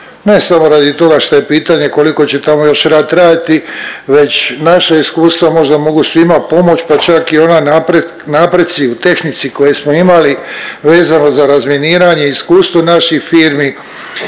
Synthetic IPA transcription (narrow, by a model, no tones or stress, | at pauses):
ne̞samo̞ɾad̪it̪o̞ɡaʃt̪oje̞piːt̪aɲe̞ko̞liko̞t͡ɕe̞t̪amo̞jo̞ʃɾaːd̪ɾaːd̪it̪iʋe̞t͡ɕnaʃaiskuːst̪ʋamo̞ʒd̪amo̞ɡusʋimapo̞mo̞t͡ɕpat͡ʃakio̞nanapɾe | naːpɾe̞t̪t̪siut̪e̞xnit̪siko̞jesmo̞imaliʋe̞ːzano̞zaɾazmje̞niːɾaɲe̞iskuːst̪ʋo̞naʃixfiːɾmi